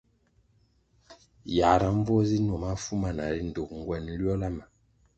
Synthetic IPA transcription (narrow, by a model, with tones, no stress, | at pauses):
ja˨ɾa˨ɱ˦vɔ˦zi˦nwɔ˨ma˦fu˦ma˨na˨ɾi˦n̩˨do˨k̚ŋ̩˨ɡwɛ˨n˦lɥɔ˦la˦ma˨